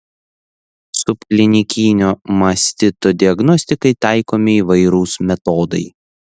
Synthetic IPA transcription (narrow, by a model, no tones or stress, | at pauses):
sʊpkʲlʲɪnʲɪkʲiːnʲoːmɐsʲt̪ʲɪt̪oːd̪ʲɪɐɡnɔsʲt̪ʲɪkɐɪt̪ɑˑɪkoːmʲɪiːʋɐɪɾuːsmʲɛt̪oːd̪ɐɪ